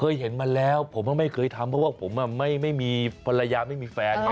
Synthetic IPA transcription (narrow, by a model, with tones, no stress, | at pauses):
kʰɤː˧jɦe˩˦nma˧lɛː˦˥wpʰo˩˦mʔa˧˩ma˥˩jkʰɤː˧jt̪ʰa˧mpʰɾɔ˦˥waː˥˩pʰo˩˦mʔa˧˨˩ma˥˩jma˥˩jmiː˧pʰa˧la˧jaː˧ma˥˩jmiː˧fɛː˧n